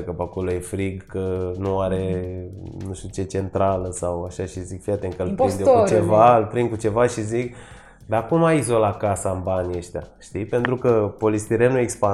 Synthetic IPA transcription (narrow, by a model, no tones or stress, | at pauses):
kəpako̞lo̞jefɾiɡkənuaɾe̞ | nuʃt̪ut͡ʃe̞t͡ʃe̞nt̪ɾaləsawaʃaʃizikfiat̪eŋkəlpind̪eokut͡ʃevalpɾinkut͡ʃe̞vaʃizik | d̪akumaizo̞lat̪̚kasaɨnbanʲeʃt̪ea̰ʃt̪ipe̞nt̪ɾukəpo̞list̪iɾenuekspa